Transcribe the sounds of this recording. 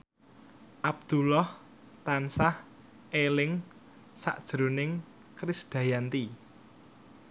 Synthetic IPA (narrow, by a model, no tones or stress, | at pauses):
ʔab̚d̪̥ulɔh | t̪ansah | ʔelɪŋ | sa̰ʔd̥ʒ̥ɾonɪŋ | kɾɪsd̪̥ä̤jant̪i